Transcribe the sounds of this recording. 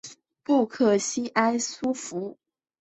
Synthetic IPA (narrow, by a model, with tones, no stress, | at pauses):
pu˥˧kʰɤ˥˩ɕi˥ʔa˥ɪsu˥fu˧˥